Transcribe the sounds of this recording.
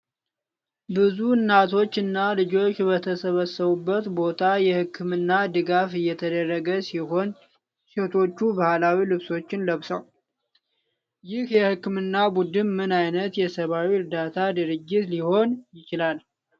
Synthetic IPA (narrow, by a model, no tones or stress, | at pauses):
bɨzuɨnːat̪ʰo̞t͡ʃːɨnːalɨd͡ʒo̞t͡ʃːbət̪ʰəsəβəsːəβubːət̪bo̞t̪ʰajɛhɨkʰːɨmɨnːad̪ɨɡafɨjːɛt̪ʰəd̪ərːəɡəsiho̞n | set̪ʰo̞t͡ʃːubahalawilɨβso̞t͡ʃːɪnləβsəw | jɪhjɛhɨkːɨmɨnːabud̪ɨnmɨnajnət̪jɛsəβawiɨɾd̪at̪ʰad̪ɨɾɨd͡ʒːɪt̪liho̞njɪt͡ʃɪlal